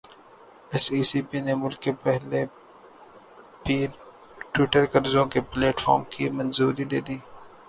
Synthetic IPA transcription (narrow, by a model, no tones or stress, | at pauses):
ɪsiːsiːpinemʊlkːepɛɦle | piːɾ | ʈwɪʈəɾkɐɾzõkepleːʈfɔ̰ːɾmkimɐ̃nzuːɾid̪eːd̪iː